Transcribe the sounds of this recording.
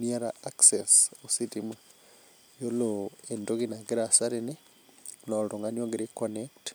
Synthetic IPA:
miaɾaaksesositima | joloendoɣinaɡiɾasaɾeni | noɾoŋɡanioɡiɾikonekt

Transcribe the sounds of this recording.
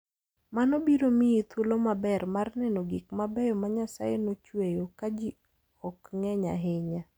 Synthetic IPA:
manobiɾomiit̪ʰolomabɛrmarnɛnoɡikmabɛjɔmaɲasa̰jenot͡ʃwejokad͡ʒi | ɔkŋɛɲa̰ɦɪɲa

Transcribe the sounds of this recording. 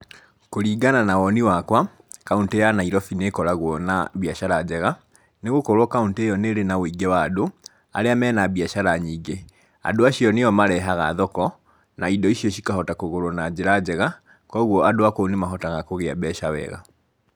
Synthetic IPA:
koɾiːɡananawɔniwakwa | kauntejanaiɾɔfinekɔɾaɣwɔna̰βjaʃaɾad͡ʑɛɣa | neɣokoɾwɔkauntejɔneɾenawoiɡɛwaːdo | a̰ɾeamɛːnaβiaʃaɾaɲiːɡe | a̰doaʃiɔneɔmaɾɛɦaɣa̰ðɔkɔ | naidɔiʃiɔʃikaɦɔtakoɣoɾonad͡ʑeɾad͡ʑɛɣa | kɔːɣwɔadoakonemaɦɔtaɣakoɣeabɛʃawɛ̰ɣa̰

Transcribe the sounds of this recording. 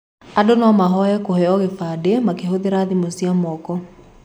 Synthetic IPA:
adonɔmaɦɔɛkohɛɔɣefaːdemakeɦoðeɾaːðimosiamɔːkɔ

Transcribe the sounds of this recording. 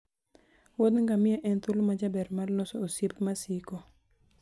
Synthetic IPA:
wod̪ŋɡamɪaʔɛnt̪ulomad͡ʒabɛɾmalnɔsɔosipmasiko

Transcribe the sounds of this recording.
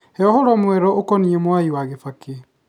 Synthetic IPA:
hɛɔhɔɾɔmwɛɾɔʔokɔniɛmwaiwaɣefake

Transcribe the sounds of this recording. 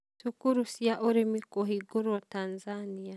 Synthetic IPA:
tukuɾusijaʔoɾemikoɦiɡoɾotanzanija

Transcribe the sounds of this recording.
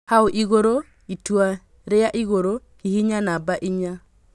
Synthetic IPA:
haoʔiɣoɾo | itwa | ɾejaʔiɣoɾo | kihiɲanabaʔiɲa

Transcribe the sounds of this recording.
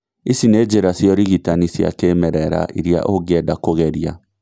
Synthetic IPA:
isined͡ʒeɾasjɔɾiɣitanisja̰kemɛɾɛɾa̰ʔḭɾja̰ʔoɡɛdakoɣɛɾja̰

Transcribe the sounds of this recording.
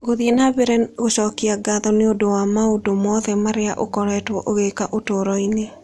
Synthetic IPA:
ɣoðienaβeɾɛɣoʃɔkiaɡaðɔneodowamaodomɔðɛmaɾeaʔo̰kɔɾɛːtwɔʔoɣekaʔotoːɾɔine

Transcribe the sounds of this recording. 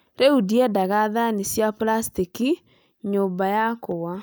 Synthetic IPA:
ɾeudiɛdaɣaðanisjaplastiki | ɲoːbajakowa

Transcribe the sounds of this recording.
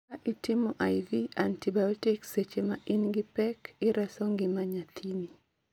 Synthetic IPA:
aʔitɪmɔʔajðiantibajɔtikset͡ʃemaʔɪnɡɪpɛkɪɾʔɛsɔŋɡɪmaɲat̪ʰini

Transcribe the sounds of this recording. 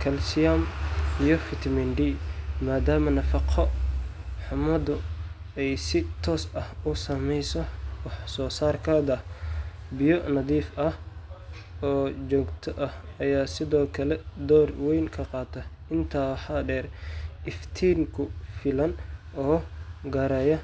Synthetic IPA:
kʰɐlsɪjɐmijɔfɪt̪ʰmɛnɖiːmaːd̪aːmɐnɐfɑqʰɔ | ħʊmɐd̪ʊ | ɛjsɪt̪ʰɔːsɐhʊsɐmɛjsɔwɑħsɔːsaːrkʰɐd̪ɐ | bɪjɔnɐðiːfɐh | ɔːd͡ʒɔːɡt̪ʰɔʔɐhɐjaːsɪðɔːkʰɐlɛd̪ɔːrwɛjnkʰɐqɑːt̪ʰɐ | ɪnt̪ʰaːwɑħɑɖɛːrʔɪft̪ʰiːŋkʰʊfɪlɐn | ɔːɡɐɾɛjɐ

